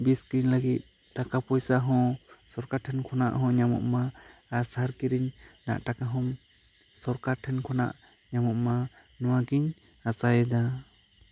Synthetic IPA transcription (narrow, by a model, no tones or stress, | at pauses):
biskɾiɲlaɡit̪̚ | ʈakapɔjsaɦɔ̃sɔɾkaɾʈʰɛnkʰɔna̰ʔɦɔ̃ɲamɔ̰ʔmaːɾsaɦaɾkiɾiɲna̰ʔʈakaɦɔm | sɔɾkaɾʈʰɛnkʰɔna̰ʔ | ɲamɔʔmanɔ̃waɡiɲ | asajd̪a